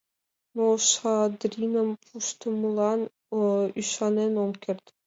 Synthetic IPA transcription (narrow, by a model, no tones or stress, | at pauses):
noʃɑd̪ɾʲinə̆mpʰuʃt̪ɤ̆mulˠɑn | yʃɑnenomkʲerd̪ʲ